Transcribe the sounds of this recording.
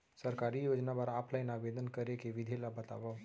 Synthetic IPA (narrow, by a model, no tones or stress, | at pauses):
səɾkaːɾijoːd͡ʒnapəɾaːpʰlaɪnaːʋeːd̪ənkɐɾekeʋɪd̪ʱelabət̪a̰ːʋa